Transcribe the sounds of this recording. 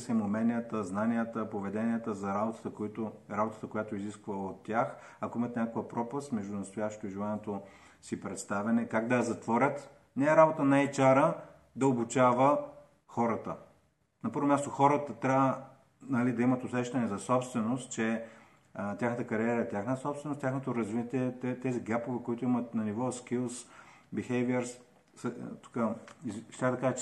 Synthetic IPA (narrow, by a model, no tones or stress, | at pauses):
sɛmomɛniət̪əznanijət̪əpovɛd̪ɛniət̪əzɐɾabot̪ə̥t̪əkoit̪oɾabot̪ə̥t̪əkojat̪oiziskvɐot̪ːjax | ɐkoimət̪nʲakovəpɾɔpəst̪mɛʒd̪ʊnɐst̪ojaʃt̪oiʒilˠanʲɛt̪o | sipɾɛt̪st̪avɛnɛkaɡd̪ɐɐzɐt̪vɔɾʲət̪ | nɛːɾabot̪ənajt͡ʃaɾə | d̪ɐobut͡ʃavə | xɔɾət̪ə̰ | nɐpɤɾvomʲast̪oxɔɾət̪ət̪ɾʲaə | nɐlid̪ɐimɐt̪osɛʃt̪ɐnɛzɐsɔpst̪vɛnost̪̚t͡ʃɛ | t̪ʲjaxnət̪əkɐɾiɛɾət̪ʲjaxnət̪əsɔpst̪vɛnostʲjaxnot̪oɾɐzvit̪ʲiɛt̪ɛt̪ɛziɡapovɛkoit̪ʊimət̪nɐnivɔskilˠsbixɛviɛɾs | sət̪u̥kəizʃt̪ʲaɣd̪ɐkaʒə